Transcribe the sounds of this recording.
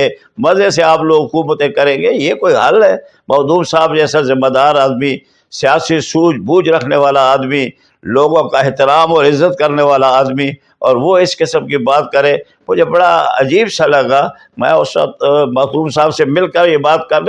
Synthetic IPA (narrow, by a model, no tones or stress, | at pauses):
e | mɐzeseaːploːɡɦʊkuːmət̪ẽkɐɾẽːɡejekoːiɦɐlɦɛː | mɐd̪uːmsaːbd͡ʒɛːsazɪmːaːd̪aːɾaːd̪mi | sɪjaːsisuːt͡ʃbuːd͡ʒɾɐkʰneʋaːlaaːd̪mi | loːɡõkaɪɦt̪ɪɾaːmɔːɾɪzːət̪kɐɾneʋaːlaaːd̪mi | ɔːɾʋoɪskɪsəmkibaːt̪̚kɐɾẽ | mʊd͡ʒebɐɽaɐ̰d͡ʒiːbsɐlɦɛːɡaː | mɛ̰̃ːʊst̪mɐd̪uːmsaːbsemɪlkəɾjebaːt̪̚kɐɾ